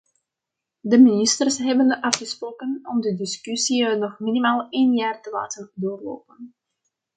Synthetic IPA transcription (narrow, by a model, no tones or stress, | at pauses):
dəminɪstərsɦɛbənəʔɑfχəsproːkənɔmdədɪskysiənɔχminimaːlˠeːnjaːrtəla̰ːtərdoːrlo̰ːpən